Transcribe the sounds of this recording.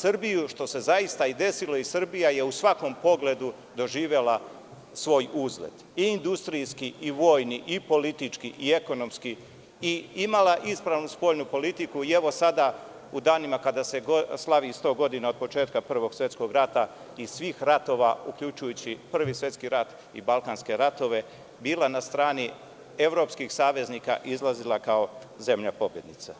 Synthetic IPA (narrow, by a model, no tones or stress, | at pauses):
sr̩bijuʃt̪o̞se̞zaist̪aid̪e̞silo̞isr̩bijaje̞usʋako̞mpo̞ɡle̞d̪u | d̪o̞ʒiːʋe̞la | sʋo̞ːjuzlḛd̪̥ | iːnd̪ust̪ɾiskiʔiʋo̞ːjniʔipo̞lit̪it͡ʂkiʔie̞ko̞no̞mski | iimalˠaʔispɾaʋnuspo̞ʎnupo̞lit̪ikuie̞ʋo̞sad̪a | ud̪aːnimakad̪ase̞ɡslˠaʋist̪o̞ːɡo̞d̪inao̞d̪̚po̞t͡ʃe̞ːt̪kapr̩ʋo̞ɡ̥sje̞t̪sko̞ɡɾat̪a | isʋiːxɾat̪o̞ːʋaukʎut͡ʃujut͡ɕipr̩ʋisʋʲje̞t̪skiɾat̪ | ḭbalˠkaːnske̞ɾat̪o̞ʋe̞ | biːlˠanast̪ɾaːni | e̞ʋɾo̞ːpskixsaːʋe̞zniːka̰ʔizlˠazilˠakaoze̞mʎapo̞bje̞d̪nit̪sa